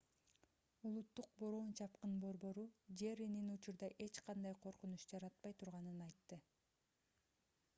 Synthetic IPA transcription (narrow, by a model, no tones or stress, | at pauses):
ulˠut̪ːuq̚bo̞ɾo̞ːnt͡ʃʰɑp̚qɯnbo̞ɾbo̞ɾud͡ʒe̞ɾininut͡ʃuɾd̪ɑʔe̞t͡ʃqɑnd̪ɑjqʰo̞ɾqunuʃd͡ʒɑɾɑt̪̚pɑjt̪ʰuɾʁɑnɯnɑjt̪ːɯ